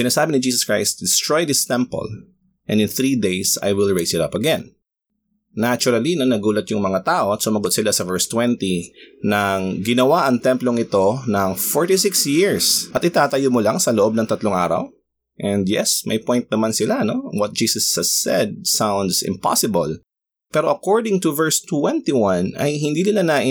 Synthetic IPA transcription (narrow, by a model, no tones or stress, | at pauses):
sɪnaːsaːbɪŋnɪd͡ʒiːsɐskɹajst̪̚d̪ɛst̪ɹojd̪ɪst̪ɛmpɐ̰l | ʔɛ̰̃nd̪ɪnθɹiːd̪ejsa̰jwɪlɹejsɪt̪ɐpɐɡɛ̃n | at͡ʃʊɾɐlinɐnɐɡuːlɐt̪jʊŋmɐŋat̪aːʔo̞ɐt̪sʊmɐɡʊt̪sɪlasɐvɛɹst̪wɛnt̪inɐŋɡɪnɐwaʔɐŋt̪ɛ̃mploŋɪt̪o̞nɐŋfoɹt̪isɪksjɪɹsʔɐt̪ʔɪt̪aːt̪ɐjomolaŋsɐloʔo̞b̚nɐŋt̪ɐt̪loŋʔaːɾɐ̰w | ʔɛ̃nd̪jɛ̰smɐ̰jpɔ̃jnt̪̚nɐmansɪlano̞wɐt̪̚d͡ʒiːsɐshɐsɛ̰d̪̚sãwnd̪sɪ̰mpa̰sɪbɐl | pɛːɾo̞ʔɐkoɹd̪ɪŋt̪uvɛɹst̪wɛ̃nt̪iwãnɐ̰jɦɪnd̪iːnɪlanɐʔɪ